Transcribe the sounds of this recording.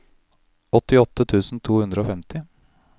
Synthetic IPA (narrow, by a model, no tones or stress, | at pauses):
ɔt̪ːɪɔt̪ːət̪ʰʉːsn̩t̪ʰuːhʉnd̪ɾəoːfɛmt̪ɪ